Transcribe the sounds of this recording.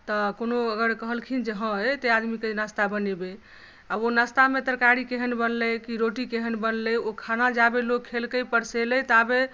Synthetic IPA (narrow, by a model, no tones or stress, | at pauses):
t̪əkonoəɡəɾkəɦəlkʰind͡ʒəɦə̃ət̪ead̪mikenast̪abənebe | abonast̪amet̪ɾkaɾikeɦənbənləkiɾoʈikeɦənbənləokʰanad͡ʒabelokʰːelkəjpəɾseləjt̪abe